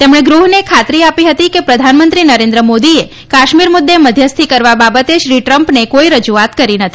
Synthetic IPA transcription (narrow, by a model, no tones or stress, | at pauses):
t̪emɽ̃eɡɾuɦnekʰat̪ɾiapiɦət̪ikepɾəd̪ʱanmənt̪ɾinəɾẽnd̪ɾəmod̪ie | kaʃmiɾmʊd̪ːeməd̪ʱjəst̪ʰikəɾʋababət̪eʃɾiʈɾəmpnekoiɾəd͡ʒuat̪kəɾinət̪ʰi̥